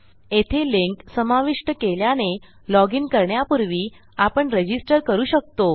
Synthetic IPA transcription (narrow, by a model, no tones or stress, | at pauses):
et̪ʰeliŋksəmaʋiʂʈəkeljane | lɔɡinkəɾɳjapuɾʋiː | apəɳɾəd͡ʑisʈəɾkəɾuːɕək̚t̪o